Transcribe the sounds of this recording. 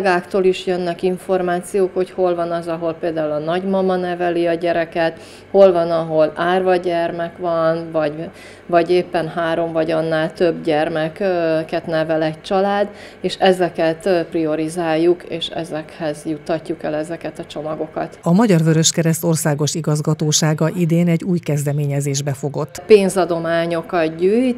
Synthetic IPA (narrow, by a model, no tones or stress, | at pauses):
ɡaːkt̪oːliʃjønːɛkiɱfo̞rmaːt̪sijoːkho̞cho̞lvɒnɒzɒɦo̞lpeːld̪aːulɒnɒɟmɒmɒnɛvɛliɒɟɛɾɛkɛt̪ | ho̞lvɒnɒɦo̞laːrvɒɟɛrmɛkʋɒnvɒɟ | vɒɟeːpːɛnɦaːɾo̞mvɒɟɒnːaːlt̪ø̞bɟɛrmɛkkɛt̪nɛvɛlɛc̚t͡ʃɒlaːd̪ | eːʃɛzɛkɛt̪prio̞ɾizaːjːukeːʃɛ̰zɛkhɛzjut̪ːɒcːukɛlɛzɛkɛt̪ɒt͡ʃo̞mɒɡo̞kɒ̰t̪ɒmɒɟɒrvøɾøʃkɛɾɛst̪o̞rsaːɡo̞ʃiɡɒzɡɒt̪oːʃaːɡɒʔid̪eːnɛɟuːjkɛzd̪ɛmeːɲɛzeːʒbɛfo̞ɡo̞t̪ːpeːnzɒd̪o̞maːɲo̞kɒt̪ɟyːjt̪